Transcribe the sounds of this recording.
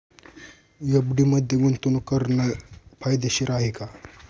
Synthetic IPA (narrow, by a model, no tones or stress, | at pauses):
jəbɖiməd̪ʱːjeɡunt̪unukəɾnəpʰajd̪eɕiɾʔaɦika